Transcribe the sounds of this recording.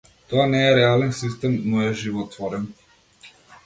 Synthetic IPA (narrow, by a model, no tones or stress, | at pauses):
t̪ɔanɛːɾɛalɛnsist̪ɛmnɔɛʒivɔt̪vɔɾɛn